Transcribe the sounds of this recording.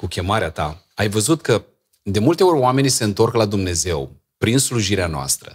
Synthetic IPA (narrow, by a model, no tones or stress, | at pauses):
kukʲe̞maɾeat̪a | ajvəzut̪kə | d̪e̞mult̪e̞o̞rʲɾʲoame̞nʲse̞ɨnt̪o̞rklad̪umne̞ze̞w | pɾinsluʒiɾeanoa̰st̪ɾə̰